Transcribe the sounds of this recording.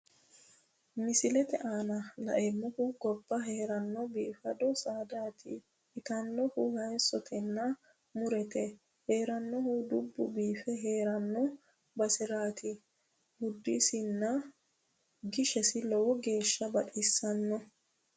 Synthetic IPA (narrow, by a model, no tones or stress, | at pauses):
mɪsɪlɛt̪ɛʔaːnɐlɐ̰ʔɛmːʊkʊɡɔbːɐɦeːɾɐnːɔbiːfɐd̪ɔsaːd̪aːt̪ʰɪ̰ | ɪt̪ɐnːɔhʊhɐjsɔt̪ʰɛnːɐ | mʊɾɛt̪ɛ | he̞ːɾɐnːɔhʊd̪ʊbːʊ̰biːfɛɦe̞ːɾɐnːɔ | bɐsɪɾaːt̪ɪ | hʊd̪ːɪsɪnːɐ | ɡɪʃɛsɪlɔwɔɡe̞ːʃːɐbɐᶑɪsːɐnːɔ